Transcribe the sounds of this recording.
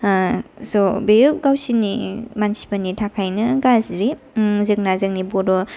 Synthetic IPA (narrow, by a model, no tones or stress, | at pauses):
sɔbejɡawsinimansi̥panitʰakʰajnɐɡazɾi | zɯk̚nazɯŋnibɔdɔ